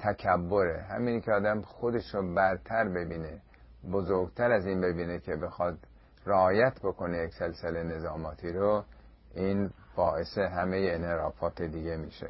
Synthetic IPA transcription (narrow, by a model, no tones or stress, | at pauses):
t̪ʰækʰæbːo̞ɾḛɦæ̰miːncʲʰeɒːd̪æmxod̪e̞ʃɾobæɾt̪ʰæɾbe̞biːne | bozoɾɡt̪ʰæɾæziːnbe̞biːnekʰebe̞xɒd̪ | reɒːjæt̪ʰbo̞kʰo̞nejekselselene̞zɒːmɒːt̪ʰiːɾo | ʔiːn | bɒːʔe̞seɦæmejeenheɾɒːfɒːt̪ʰed̪iɟe̞miːʃḛ